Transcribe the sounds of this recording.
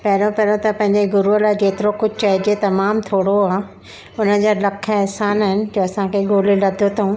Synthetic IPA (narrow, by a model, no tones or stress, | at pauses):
pɐɦɪɾõpɐɦɾõt̪ɐpɐ̃ɦɪ̃ɲd͡ʑeɡʊɾuəlad͡ʑeːt̪ɪɾokʊd͡ʑʱɪt͡ɕɐɦɪd͡ʑet̪ɐmaːmt̪ʰoːɽoaː | ʊnəd͡ʑaːlɐkʰəɛɦsaːnɦɪnɪ̆d͡ʑoːɐsãkʰeɡoːlilɐd̪ʱot̪ʰɐɦũ